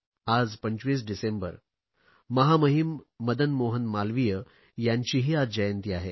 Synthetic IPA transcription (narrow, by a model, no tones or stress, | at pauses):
ad͡zpəɲt͡ɕʋiːs̬ɖisembə̰ɾ | məɦaməɦimːəd̪ənmoɦənmalʋijə | jaɲt͡ɕiːɦiːadd͡ʑəjənt̪iːaɦe